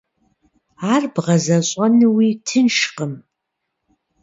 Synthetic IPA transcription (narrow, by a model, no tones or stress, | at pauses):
arbʁɐzaɕʼanɨwitʰɨnʂqʼəm